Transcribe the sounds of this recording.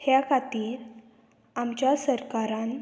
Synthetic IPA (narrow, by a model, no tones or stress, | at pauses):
hjakʰat̪iːɾ | amt͡ɕjasəɾkaɾãn